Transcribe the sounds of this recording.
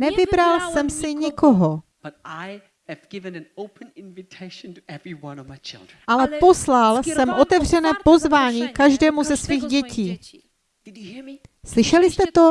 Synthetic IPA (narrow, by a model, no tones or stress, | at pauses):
nɛvɪbɾalsɛmsɪɲɪko̞ɦob̥ʌɾaɪ | ɨvɡ̥ɪvɨ̃nɨ̃noʊpʰɨ̃nɪ̃nvɨtʰeɪʃn̩tʰɨɛvɹiwʌ̃nʌvmaɪt͡ʃʰɪ̰lˠdɹnʔalɛpo̞slalsɛmʔo̞t̪ɛvr̝ɛnɛːpo̞zvaːɲiːkaʒdɛːmuzɛsviːɣɟɛciː | slɪʃɛlɪst̪ɛt̪o̞